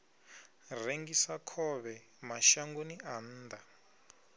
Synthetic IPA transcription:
reŋɡisakʰɔβɛ | maʃaŋɡonian̩ːd̪a

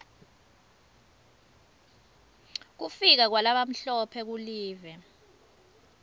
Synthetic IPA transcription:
k̬ufik̬ak̬walaɓam̩ɬɔpʰɛk̬uliːvɛ

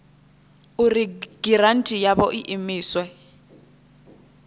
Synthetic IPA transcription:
uriɡ̥irantʼijabɔʔiʔimiːswɛ

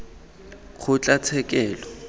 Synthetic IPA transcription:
k͡xʰʊt͡ɬʼat͡sʰɛkʼɛːlɔ

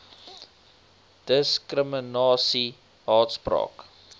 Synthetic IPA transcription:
d̥əskrəmənɑːsi | ɦɑːtsprɑ̰ːk

